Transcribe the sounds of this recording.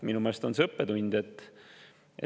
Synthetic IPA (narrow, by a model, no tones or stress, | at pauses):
minumeːlest̪o̞nsɤpːet̪unʲd̪̥et̪ː | ʔe